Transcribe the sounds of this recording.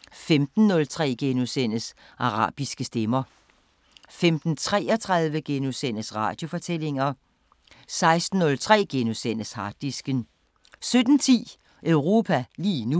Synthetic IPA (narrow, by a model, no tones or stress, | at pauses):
femd̥n̩ːɔ̽lt͡sʰʁɛ̰ːɡ̥enosen̰əs | ʔɑ̈ʁɑ̰̈ːb̥isɡ̥əsd̥emɐ | femd̥n̩t͡sʰʁɛ̰ːɒt͡sʰʁɑð̞ˠʋəɡ̥enosen̰əsʁɑ̈ːd̥jo̝fɒ̽t͡sʰel̰e̝ŋɐ | sɑ̈ɪsd̥n̩ːɔ̽lt͡sʰʁɛ̰ːɡ̥enosen̰əshɑ̈d̥isɡ̥ən | sød̥n̩t͡sʰḭː | ʔœʊʁo̝ːpʰæliːnu